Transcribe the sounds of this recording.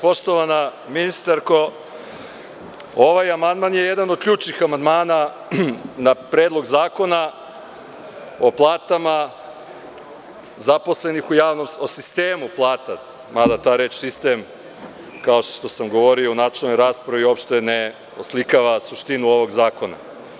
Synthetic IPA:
po̞ʃt̪o̞ʋana | minist̪aɾko̞ | o̞ʋajamand̪manjejed̪anod̪̚kʎuːt͡ʃnixamand̪maːna | napɾeːd̪lˠo̞ɡzaːko̞na | o̞plˠaːt̪ama | zaposle̞nixujaːʋnomosist̪eːmuplˠaːt̪a | mad̪at̪aːɾeːt͡ʃsist̪em | kao̞ʃʃt̪o̞samɡo̞ʋoɾiounat͡ʃelno̞jɾaːspɾaʋio̞pʃt̪ene | oslikaʋasuʃt̪inuo̞ʋo̞ɡzaːko̞na̰

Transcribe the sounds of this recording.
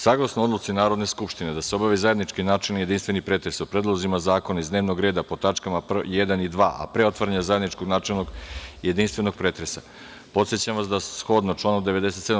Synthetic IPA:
saːɡlˠasnood̪lut̪sinaːɾod̪ne̞skupʃt̪ined̪aseobaʋizaje̞d̪nit͡ʃkinaːt͡ʃelnije̞d̪inst̪ʋe̞nipɾet̪ɾesopɾed̪lˠozimazaːko̞naizd̪ne̞ːʋnoɡɾe̞ːd̪apo̞t̪at͡ʂkamaprjed̪anid̪ʋa̰ːʔa̰pɾeo̞t̪vaɾaɲazae̞d̪nit͡ʃkoɡnaːt͡ʂelˠno̞ɡje̞d̪inst̪ʋe̞no̞ɡ̚pɾeːt̪ɾesa | po̞t̪set͡ɕamʋasd̪asxo̞d̪not͡ʃlaːnomd̪e̞ʋed̪e̞s̬et̪sed̪

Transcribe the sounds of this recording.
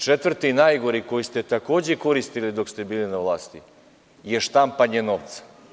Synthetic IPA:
t͡ʃet̪ʋrt̪inajɡo̞ɾiko̞jist̪e̞t̪ako̞ːd͡ʑeko̞ɾist̪ilid̪o̞kst̪e̞biːlinaʋlˠaːst̪i | je̞ʃt̪ampaɲeno̞ʋt̪sḁ

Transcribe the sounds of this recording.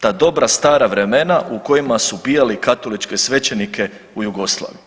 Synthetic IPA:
t̪aːd̪o̞bɾast̪aːɾaʋɾe̞me̞naʔuko̞jimasubijalikat̪o̞lit͡ʃke̞sʋe̞t͡ɕe̞nikʰe̞ | ujuɡo̞slˠa̰ːʋiju

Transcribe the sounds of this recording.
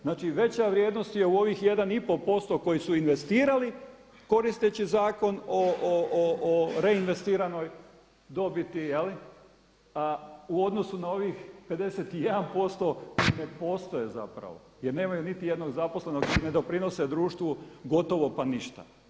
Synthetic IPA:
znaːt͡ʃiʋe̞t͡ɕaʋɾʲjed̪nost̪je̞uo̞ʋiːxje̞d̪anipo̞po̞st̪o̞ko̞jisuinʋe̞st̪iːɾali | ko̞ɾist̪et͡ɕizaːko̞noooɾe̞inʋe̞st̪iːɾano̞j | d̪o̞bit̪ijeli | auo̞d̪no̞sunao̞ʋixpe̞d̪e̞set̪ije̞d̪anpo̞st̪o̞koine̞po̞ːst̪o̞jeza̰pɾa̰ʋo̞̰ | jeɾne̞ːmajunit̪ije̞d̪no̞ɡzapo̞sle̞no̞ɡkoine̞d̪o̞pɾino̞sed̪ɾuːʃt̪ʋoɡo̞t̪o̞ʋo̞paniʃt̪a̰

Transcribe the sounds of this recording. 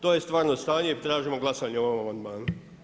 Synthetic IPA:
t̪oːje̞st̪ʋaːɾnost̪aːɲeiɾt̪ɾaːʒimo̞ɡlˠasaɲeoomamand̪maːnu

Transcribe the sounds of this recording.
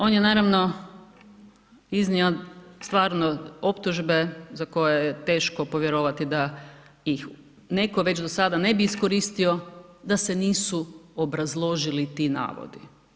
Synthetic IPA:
o̞ːnjenaːɾaʋno̞ | izniost̪ʋaːɾnoo̞pt̪uʒbe̞zako̞jejet̪e̞ːʃkopo̞ʋjeɾoʋat̪id̪aix | ne̞ko̞ʋe̞t͡ɕd̪osad̪ane̞biːskoɾist̪io̞d̪ase̞niːsuobɾazlˠo̞ʒilit̪ina̰ːʋo̰d̪i

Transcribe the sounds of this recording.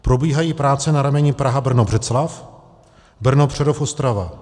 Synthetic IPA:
pɾo̞biːɦajiːpɾaːt͡sɛnaɾamɛɲipɾaɦabr̩nobr̝ɛt͡slaf | br̩nopr̝̥ɛdofo̞st̪ɾava̰

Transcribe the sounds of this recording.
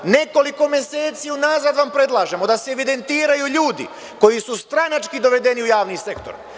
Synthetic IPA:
ne̞ko̞liko̞mje̞se̞ːt̪siːunaːzad̪ʋampɾe̞d̪lˠaːʒe̞mo̞d̪aseːʋid̪e̞nt̪iːɾajuʎuːd̪ḭ | ko̞jisust̪ɾanat͡ʃkid̪o̞ʋe̞d̪e̞niujaːʋniːse̞kt̪oɾ

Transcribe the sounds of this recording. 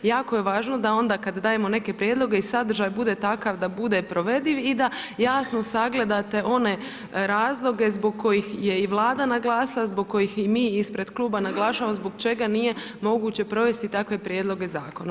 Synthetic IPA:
jaːko̞je̞ʋaːʒnod̪ao̞nd̪aːkad̪d̪aːje̞mo̞ne̞ke̞pɾjed̪lˠo̞ɡe̞isad̪r̩ʒaːjbud̪et̪akaʋd̪abud̪e̞pɾo̞ʋe̞d̪liʋid̪ajaːsno̞saɡle̞d̪at̪e̞ʔo̞ne̞ | ɾaːzlˠo̞ɡe̞zboɡ̚kʰo̞jixje̞iʋlˠaːd̪anaɡlˠaːsalazboɡ̚ko̞jiximiːispɾe̞d̪kluːbanaɡlˠaːʃamozbo̞ɡt͡ʃe̞ɡanije̞mo̞ɡuːt͡ɕe̞pɾo̞ʋe̞st̪it̪akʋe̞pɾjed̪lˠo̞ɡe̞zaːko̞na

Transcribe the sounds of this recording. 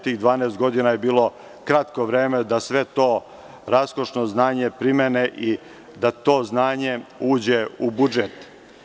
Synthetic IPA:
t̪iːɣd̪ʋaːneːst̪ɡo̞d̪inajebiːlˠo̞ | kɾat̪koʋɾeːmed̪asʋe̞t̪o̞ː | ɾasko̞ʃnoznaːɲepɾimeneʔi | d̪at̪o̞ːznaːɲe̞uːd͡ʑeubud͡ʒet̪

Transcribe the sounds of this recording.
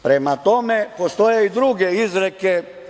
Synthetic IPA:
pɾemat̪omepost̪ojeid̪ɾuɡeizɾɛke

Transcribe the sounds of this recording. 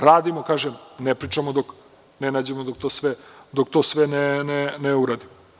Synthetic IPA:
ɾaːd̪imokaːʒemnepɾit͡ʂamod̪ok | nenaːd͡ʑemod̪ok̚t̪osʋɛd̪ok̚t̪osʋɛneneneuɾad̪imo

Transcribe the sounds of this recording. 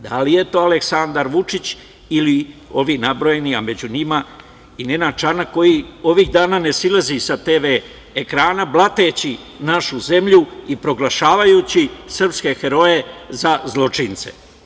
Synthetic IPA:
d̪alije̞t̪o̞ːale̞ksand̪aɾʋut͡ʂit͡ɕ | ilio̞ʋiːnabɾo̞je̞niame̞d͡ʑuɲima | inenat͡ʃanako̞jio̞ʋiɣd̪aːnaːne̞silazisat̪eːʋe̞ː | kɾaːnablˠat̪e̞t͡ɕi | naʃuze̞mʎuipɾo̞ɡlˠaʃaːʋajut͡ɕisr̩pske̞xe̞ɾo̞je̞zazlˠo̞t͡ʂint̪se̞̥̰

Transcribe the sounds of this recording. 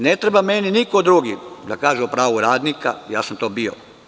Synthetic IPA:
net̪ɾebameninikod̪ɾuɡid̪akaːʒuopɾaːʋuɾaːd̪nika̰ja̰ːsamt̪oːbio̰

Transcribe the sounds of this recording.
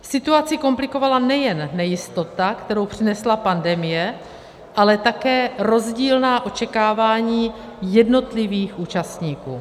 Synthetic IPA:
sɪt̪uat͡sɪko̞mplɪko̞valanɛjɛnːɛjɪst̪o̞t̪akt̪ɛɾo̞wpr̝̥ɪnɛslapandɛmɪjɛ | ʔalɛt̪akɛːɾo̞zɟiːlnaːʔo̞t͡ʃɛkaːvaːɲiː | jɛdno̞t̪lɪviːxʔuːt͡ʃast̪ɲiːkuː

